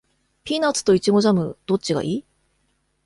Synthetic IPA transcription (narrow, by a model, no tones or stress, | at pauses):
pʲiːnat͡sɨ̥t̪o̞it͡ɕiɡo̞ʑamɯ̟d̪̥o̞t͡ɕiɡa̰ʔiː